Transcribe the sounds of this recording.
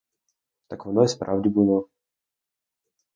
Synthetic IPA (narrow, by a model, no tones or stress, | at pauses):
t̪akʋɔnɔjspɾawdʲibɨlˠɔ